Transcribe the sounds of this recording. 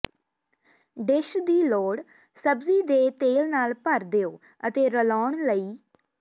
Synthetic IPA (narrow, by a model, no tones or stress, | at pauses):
ɖɪʃd̪iːloːɽ | səbziːd̪eːt̪eːlnaːlpəɾd̪eoː | ət̪eːɾəlaːɳləiː